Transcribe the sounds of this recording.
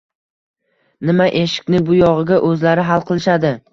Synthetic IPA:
nɪmaʔe̞ʃɪ̥kʲnɪbʊjɒʁɨɡʲaʔɵzlaɾɪɦalˠqʰɨlˠɪʃad̪ɪ

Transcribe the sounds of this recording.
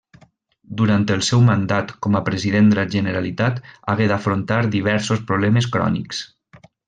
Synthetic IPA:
d̪uɾant̪əlˠsɛwmənd̪at̪kɔməpɾəziðend̪əlaʒənəɾalit̪at̪aɣeðafɾont̪aɾd̪iβ̞ɛɾsospɾuβ̞lɛməskɾɔ̰nḭks

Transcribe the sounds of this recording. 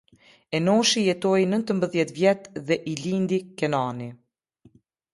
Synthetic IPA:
ɛnɔʃijɛt̪ɔjnənt̪əmbəðjɛt̪vjɛt̪ðɛʔilind̪ikɛnani

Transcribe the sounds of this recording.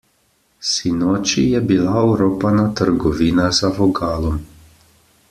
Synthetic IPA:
sinɔːt͡ʃijɛbilauɾoːpanat̪əɾɡɔʋiːnazavɔɡaːlɔm

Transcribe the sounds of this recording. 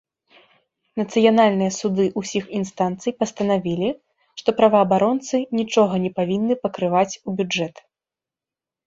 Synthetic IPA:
nɐt̪sɨjanalʲnɨjɐsud̪ɨʔusʲixinst̪ant̪sɨjpɐst̪ɐnavʲilʲi | ʂt̪ɔpɾɐvɐːbaɾɔnt̪sɨnʲit͡ʂɔɣɐnʲɛpavʲinːɨpɐkɾɨvat͡sʲubʲud͡ʐɛt̪

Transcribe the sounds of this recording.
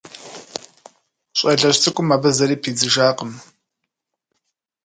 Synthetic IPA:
ɕʼɐɮɐɕt͡sʰʼɨkʷʼʊmːaːbɐzɐɾiːpʰiːd͡zɨʒaːqəm

